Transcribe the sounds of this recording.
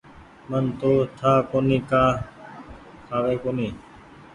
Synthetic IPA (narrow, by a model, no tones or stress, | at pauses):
mənt̪oːt̪ʰaːkoːniːkaː | kʰaːʋeːkoːniː